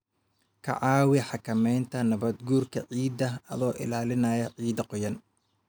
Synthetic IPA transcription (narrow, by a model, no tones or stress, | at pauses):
kʰɐ̰ʕɑːwɪħɑkʰɐmɛjnt̪ʰɐnɐβɐd̪ɡuːrkʰɐ̰ʕiːd̪ɐɐ̰ðɔːʔɪ̰laːlɪnɐjɐʕiːd̪ɐqɔjɐn